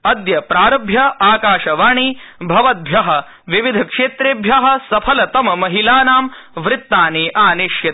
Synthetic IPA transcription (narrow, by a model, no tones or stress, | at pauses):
ɐd̪jɐpɾaːɾɐbʱjɐaːkaːʃɐʋaːɳ̃iːbʱɐʋɐt̪̚bʱjɐɦɐ̆ | ʋiʋid̪ʱɐkʂeːt̪ɾeːbʱjɐɦɐ̆sɐpʰɐlɐt̪ɐmɐmɐɦilaːnaːm | ʋɾɪt̪ːaːniːʔaːniʃjɐt̪